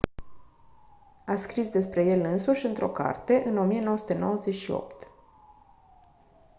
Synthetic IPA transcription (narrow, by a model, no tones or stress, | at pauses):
askɾisd̪e̞spɾe̞je̞lɨnsuʃʲɨnt̪ɾo̞̰ka̰rt̪e̞ʔɨno̞mijenowəsu̥t̪eno̞wəze̞ʃio̞̰pt̪